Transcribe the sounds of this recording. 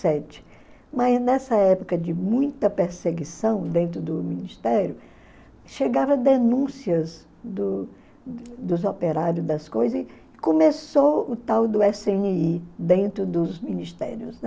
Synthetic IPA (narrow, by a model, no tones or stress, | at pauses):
sɛt͡ʃɪ̥ | mɐznɛsɐɛpokɐd͡ʒɪmũj̃t̪ɐpeɾseɡisɐ̃w̃d̪ẽnt̪ɾʊd̪ʊmĩnist̪ɛɾjʊ | ʃeɡavɐd̪enũsiɐz | d̪ʊ | d̪ʊzopeɾaɾjʊzd̪ɐskojzɐzɪ | kõmesoʊt̪awd̪ʊɛsẽniid̪ẽnt̪ɾʊd̪ʊzmĩnist̪ɛ̰ɾjʊznɛ